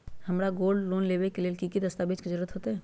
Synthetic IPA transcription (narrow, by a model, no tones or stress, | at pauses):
hɐmɾaɡoːlɖloːnleːʋekeleːlkikid̪əst̪aːbɪd͡ʒked͡ʒəɾət̪ɦoːt̪aɦɛ̃ː